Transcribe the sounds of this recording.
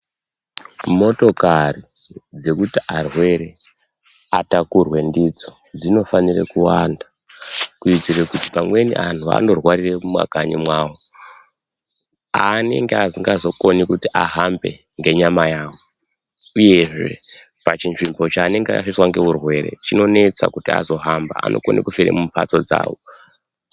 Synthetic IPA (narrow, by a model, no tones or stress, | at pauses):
mo̞to̞karid͡ze̞kutiʔarwe̞ɾe̞ | atakurwe̞ndid͡zo̞ | d͡zino̞fanirḛkuwanda | kuid͡zirekuti̥pamwe̞nḭʔanʰua̰ndo̞rwariremumwa̰kaɲimwaːwo | ane̞ŋɡeasiŋɡazo̞ko̞nikutiʔaɦambe̞ | ŋɡe̞ɲamajaːwo | uje̞ʐe̞̰ | pat͡ʃinʐimbo̞t͡ʃaːne̞ŋɡea̰ʂiswaŋɡe̞urwe̞ɾe̞̰t͡ʃino̞ne̞t͡sa̰kutia̰zo̞ɦambaa̰nʔoko̞nʔikufiɾḛmumpa̰t͡so̞d͡za̰ːwo